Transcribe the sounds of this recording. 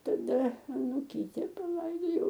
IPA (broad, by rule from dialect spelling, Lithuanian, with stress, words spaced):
tɐˈdɐ ɐnʊˈkʲiːtʲɛ pɐˈlˠɐɪdoːjɛʊ